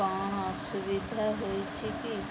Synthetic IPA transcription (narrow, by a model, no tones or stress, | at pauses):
aːɳ̃asʊʋɪd̪ʱaɦoːit͡ʃʰiki